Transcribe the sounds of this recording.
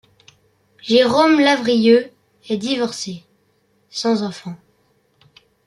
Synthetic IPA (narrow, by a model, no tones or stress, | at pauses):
ʒeʁomlavʁijø | ɛd̪ivɔʁse | sɑ̃zɑ̃fɑ̃